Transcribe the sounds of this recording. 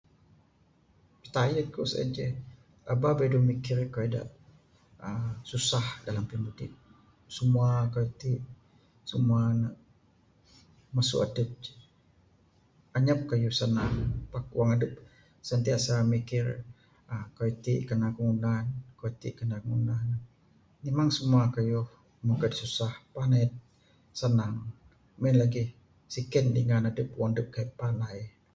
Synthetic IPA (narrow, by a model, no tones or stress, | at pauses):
pət̪ajəkosa̰d͡ʒə | ababedumikɪrkoeda̰ʔ | əsusahdalampinbudiʔ̚ | səmuakait̪iʔ | səmuanaʔ | masʊ̰ʔadəp̚d͡ʒ | aɲap̚kajusanapak̚uwaŋadəp̚ | sənt̪iaʔsamikɪr | akoit̪iʔkənakəŋunankoit̪iʔkənakəŋunanː | imaŋsəmuakajʊh | makadisusahpanajt̪̚ | sənaŋ | mɛnlaɡih | sikəndḭŋanadəp̚uwaŋadəp̚kaʔpanaj